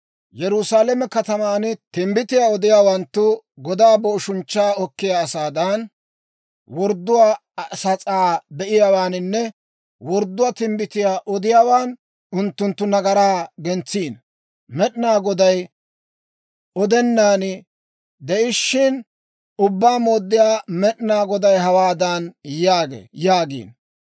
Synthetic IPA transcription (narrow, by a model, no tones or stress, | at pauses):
jɛɾʊsaːlɛmɛkɐt̪ɐmaːnt̪ɪmbɪt̪ɪjaːɔd̪ɪjaːwɐnt̪ːʊɡɔd̪aːbɔʊʃʊnt͡ʃːaːɔkːɪjaːsaːd̪ɐn | wɔɾd̪ːʊwaː | sɐt͡sʼaːbɛʔɪjawaːnɪnːɛ | wɔɾd̪ːʊwaːt̪ɪmbɪt̪ɪjaːʔɔd̪ɪjaːwaːn | ʔʊnt̪ːʊnt̪ːʊnɐɡɐɾaːɡɛnt͡sːiːn | mɛɗnaːɡɔd̪ɐj | ɔd̪ɛnːaːnɪ | d̪ɛʔɪʃːɪn | ʊbːaːmo̞ːd̪ːɪjaːmɛɗnaːɡɔd̪ɐjɦɐwaːd̪ɐnjaːɡḛːjaːɡḭːn